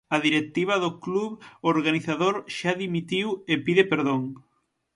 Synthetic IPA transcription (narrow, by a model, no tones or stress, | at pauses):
aðiɾet̪iβ̞ɐðokluβoɾɣaniθaðoɾʃaðimit̪iwepiðepeɾðoŋ